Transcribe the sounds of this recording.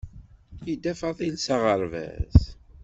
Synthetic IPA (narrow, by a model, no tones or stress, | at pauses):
jid̪æfɑðˤilsaʁəɾvæ̰z